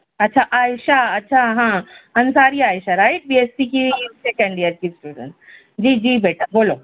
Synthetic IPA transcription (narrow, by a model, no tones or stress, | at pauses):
ɐtːʃʰaʔaːjʃaɐtːʃʰaɦãːɐ̃nsaːɾiaːjʃaɾaːɪʈ̚biespikisekə̃ɳɖijəɾkisʈuːɖə̰̃ɳʈs | d͡ʑiːd͡ʑiːbeːʈʰaboːlo